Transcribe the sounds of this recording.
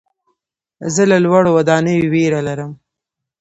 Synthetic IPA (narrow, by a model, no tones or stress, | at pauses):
zəlalwaɽowad̪ɑnəjiweɾalaɾəm